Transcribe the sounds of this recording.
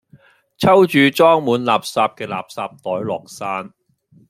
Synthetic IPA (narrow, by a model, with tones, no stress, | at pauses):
t͡sʰɐ˥wt͡ʃyː˨t͡ʃɔː˥ŋmuː˨˥nlaː˨p̚saː˧p̚kɛː˧la̰ː˨˩p̚saː˧p̚t̪ɔː˨˥jlɔ̰ː˨˩k̚saː˥n